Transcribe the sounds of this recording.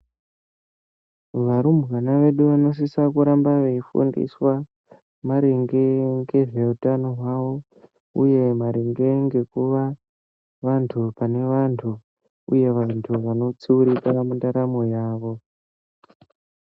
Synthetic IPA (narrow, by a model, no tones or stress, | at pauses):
ʋaɾumɣanaʋe̞ɗuʋano̞s̬isakuɾambaʋeifṵndḭswa | maɾeŋɡeŋɡe̞ʐeutanoɦwaʋo̞ | ṵje̞maɾeŋɡe̞ŋɡe̞kuʋa | ʋantʰupane̞ʋantʰu | uje̞ʋantʰuʋano̞t͡siuɾikamundaɾamo̞jaːʋo̞